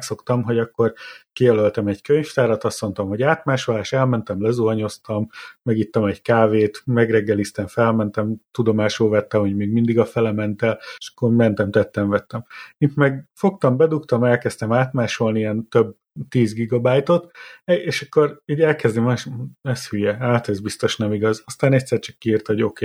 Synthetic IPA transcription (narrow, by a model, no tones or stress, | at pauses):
kso̞kt̪ɒmɦo̞ɟɒkːo̞rkijɛlølt̪ɛmɛɟkøɲft̪aːɾɒt̪ɒst̪mo̞nt̪ɒmho̞ɟaːt̪maːʃolaːʃt̪ɛlmɛnt̪ɛmlɛzuɦɒɲo̞st̪ɒmːɛɡit̪ːɒmɛɟkaːveːt̪mɛɡrɛɡːɛlist̪ɛɱfɛlmɛnt̪ɛmt̪ud̪o̞maːʃoːvɛt̪ːɛmho̞ɟmeːɡmind̪iɡɒfɛlɛmɛnt̪ɛleʃɒ̥kːormɛnt̪ɛmt̪ɛt̪ːɛɱvɛt̪ːɛmit̪mɛɡfo̞kt̪ɒmbɛd̪ukt̪ɒmɛlkɛst̪ɛmaːt̪maːʃo̞lniɛnt̪øb̚ | t̪iːzɡiɡɒbaːjt̪o̞t̪eʃɒkːo̞riːɟɛlkɛzd̪imaɛshyjɛaːt̪ɛzbist̪o̞ʃnɛmiɡɒzɒst̪aːnɛcʲt̪sɛrt͡ʃɒ̥kːiːrt̪oɟo̞keː